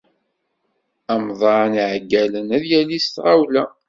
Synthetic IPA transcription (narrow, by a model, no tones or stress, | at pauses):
æmðˤɑnʕɡːælənæðjælist̪ʁawlæ